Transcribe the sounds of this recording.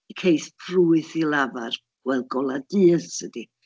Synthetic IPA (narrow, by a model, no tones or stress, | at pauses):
kʰejspʰruɨθilˠavar̥ | wɛlˠɡɔlˠadiːsədi